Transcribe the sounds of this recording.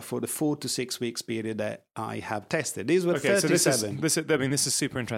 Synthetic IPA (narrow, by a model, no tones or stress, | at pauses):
fə˞ðəfɔɹtʰɨsɪkswikspɪɹiɨd̪̚ðɨ̰ɾʔa̰ɪəv̥tʰɛstɨd̪̚ðizwəoθɜsoɾiɪsɛvə̃nðɪsaɪmĩnðɪsɨz̥sʉˑpʰə˞ɪ̃ntʰɹ̥ɛ